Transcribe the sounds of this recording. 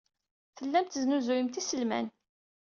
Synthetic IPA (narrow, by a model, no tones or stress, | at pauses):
θəlːæmt̪znuzujəmt̪isəlmæ̰n